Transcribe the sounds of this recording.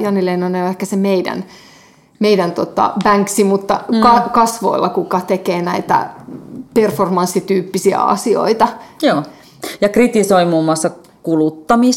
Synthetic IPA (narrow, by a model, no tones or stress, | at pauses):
jɑnileinoneoehkæsemeidæ̰n | meidænt̪ot̪ɑ̰bæŋksimut̪ːɑkɑkɑsʋo̰ilːɑkukɑt̪ekeːnæit̪æ̰performɑnsːit̪yːpːisiæ̰ɑ̰sio̰it̪ɑjoː | jɑkrit̪isoimuːmːuɑsːɑ | kulut̪ːɑmis